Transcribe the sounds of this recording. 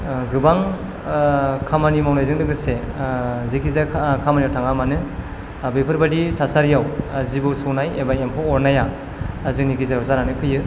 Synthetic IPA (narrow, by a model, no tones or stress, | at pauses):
ɡɯbaŋ | kʰamanimawnajzɯŋdɯɡɯse | zikʰizakʰamanijawtʰaŋamanɯ | bipʰɯɾbaditʰasaɾijawazibɯsɔwnajebaempʰɔwɔɾnaja | azik̚nikizaɾɔzaɾanɯkʰɯjɯ